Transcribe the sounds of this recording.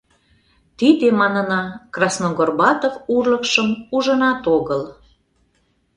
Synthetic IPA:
t̪id̪emɑnənɑkrɑsnoɣorbɑt̪ovurləkʃəmuʒənɑt̪oɣəl

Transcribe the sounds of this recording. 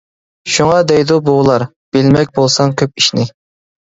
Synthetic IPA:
ʃuŋɑd̪ɛjd̪ubolˠɑɾ | b̥ɪlmɛk̚ʲbolˠsɑŋkʲʰøp̚iʃnɪ

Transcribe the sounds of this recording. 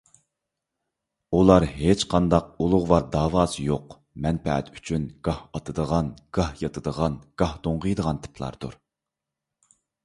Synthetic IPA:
ulˠɑɾɦet͡ʃqʰɑnd̪ɑq̚ulˠʊʁwɑɾd̪ɑːwɑːsɨjoq | mɛnpɛ̰ɛ̰t̪y̥t͡ʃʰynɡ̥ɑhɑt̪ʰɨd̪əʁɑnɡ̥ɑhjɑt̪ʰɨd̪əʁɑnɡ̥ɑhd̪oɴʁəjd̪əʁɑnt̪ʰɨ̥pʰlˠɑ̰ɾd̪ṵɾ

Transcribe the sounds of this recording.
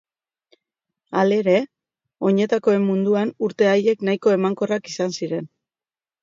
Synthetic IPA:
ale̞ɾe̞ | o̞ɲe̞t̪ako̞e̞mːund̪uanuɾt̪e̞aje̞knajko̞e̞maŋko̞rakisansiɾe̞n

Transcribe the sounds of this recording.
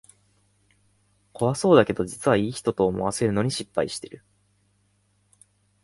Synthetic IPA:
kʰo̞βaso̞ːd̪ake̞d̪o̞d͡ʑit͡sɨβaiːçi̥t̪o̞t̪o̞ːmo̞̰βase̞ɾɯ̟no̞ɲ̟iɕipːaiɕi̥t̪e̞ɾɯ̟

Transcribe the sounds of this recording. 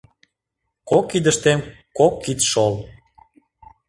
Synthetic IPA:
kokːid̪əʃt̪em | kokːit̪ʃol

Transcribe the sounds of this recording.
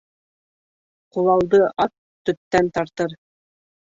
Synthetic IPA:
qulˠɑlˠd̪ɤʔɑt̪ːɵ̆t̪ːænt̪ɑɾt̪ɤɾ

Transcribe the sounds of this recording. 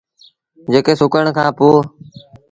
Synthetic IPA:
d͡ʒeːkeːsʊkəɳ̃kʰãːpoː

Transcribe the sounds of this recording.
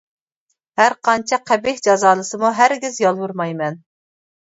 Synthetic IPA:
hæɾqʰɑnt͡ʃʰɛqʰæbɪhʲd͡ʒɑzɑːlˠɨsɨmuɦæɾɡʲɪzjɑlˠwuɾmɑjmɛn

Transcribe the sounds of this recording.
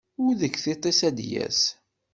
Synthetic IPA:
ʊɾðəkːθit̪ˤːesæd̪jæ̰s

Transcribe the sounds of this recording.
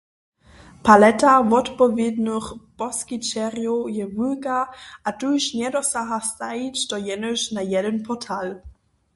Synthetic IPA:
palɛtavɔtpɔvednəxpɔskit͡ʃɛʁjojɛvulkaʔatuʃnjɛdɔsaɦastait͡ɕtɔjɛnəʃnajɛdənpʰɔtʰal

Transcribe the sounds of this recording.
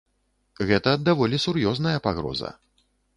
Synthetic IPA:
ɣɛt̪ɐd̪avɔlʲisurjɔznɐjɐpaɣɾɔ̰zɐ̰

